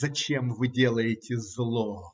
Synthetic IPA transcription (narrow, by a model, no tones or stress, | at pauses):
ɐt͡ɕemvɨdʲelˠəjɪtʲɪzlˠo